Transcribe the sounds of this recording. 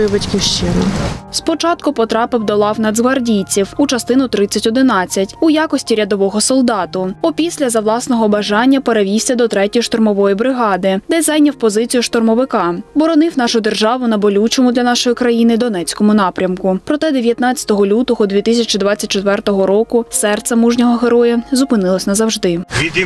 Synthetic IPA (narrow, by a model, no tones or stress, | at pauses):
ʋɪt͡ʃʲkʲiʃt͡ʃɪnɐ̰spɔt͡ʃɑt̪kʊpɔt̪ɾɑpɪwd̪ɔlˠɑwnɐd̪zʋɐrdʲijt͡sʲiwut͡ʃɐst̪ɪnʊt̪ɾɪt͡sʲːɐtʲɔd̪ɪnɑt͡sʲːɐtʲujɑkɔsʲtʲiɾʲɐd̪ɔʋɔɦɔsɔlˠd̪ɑt̪ʊɔpʲisʲlʲɐzɐwlˠɑsnɔɦɔbɐʒɑnʲːɐpeɾeʋʲiwsʲɐd̪ɔt̪ɾɛtʲɔjʃt̪ɔrmɔʋɔjibɾɪɦɑd̪ɪd̪ɛzɑjnʲɐwpɔzɪt͡sʲijʊʃt̪ɔrmɔʋɪkɑbɔɾɔnɪwn̪ɑʃʊd̪erʒɑʋʊnɐbɔlʲut͡ʃɔmʊd̪lʲɐnɑʃɔjikɾɐjinɪd̪ɔn̪ɛt͡sʲkɔmʊnɑpɾʲɐmkʊpɾɔt̪ɛd̪eʋʲjɐt̪nɑt͡sʲɐ̥t̪ɔɦɔlʲut̪ɔɦɔd̪ʲʋʲit̪ɪsʲɐt͡ʃɪd̪ʋɑt͡sʲːɐt̚ʲt͡ʃet̪ʋɛrt̪ɔɦɔɾɔkʊsɛrt̪sɛmuʒnʲɔɦɔɦeɾɔjɐzʊpɪnɪlˠɔsʲnɐzɐwʒd̪ɪ